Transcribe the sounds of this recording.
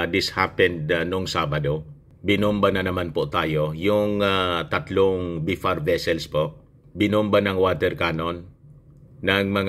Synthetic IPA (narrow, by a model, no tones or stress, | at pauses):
d̪ɪshapɛnd̪̚nʊŋsabad̪o | bɪnʊmbanɐnɐmanpʊt̪aːjo̞jʊŋat̪at̪loŋbifaɾvɛsɛlspoʔ | bɪnʊmbanɐŋwat̪ɛɾkanonː | ɐŋmɐŋ